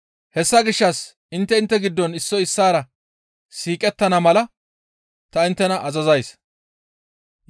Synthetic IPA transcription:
hɛsːɐɡɪʃːɐs | ɪnt̪ːɛɪnt̪ːɛɡɪd̪ːɔnɪsːɔɪsːaːɾɐ | siːkʼɛt̪ːɐnɐmɐlɐ | t̪ɐɪnt̪ːɛnɐʔɐzɐzɐjs

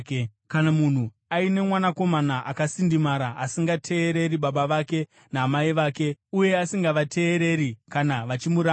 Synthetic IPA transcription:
kanamun̤u | aine̞mwanako̞manaʔakasindimaɾaasiŋɡatʰe̞ːɾe̞ɾiɓaɓaʋake̞ | naːmaiʋaːke̞uje̞asiŋɡaʋatʰe̞ːɾe̞ɾikanaʋat͡ʃimuɾa

